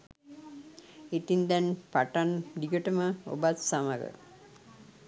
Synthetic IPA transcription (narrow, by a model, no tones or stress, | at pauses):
et̪ind̪ɛnpaʈanɖiɡəʈəməo̰bat̪saməɡə̰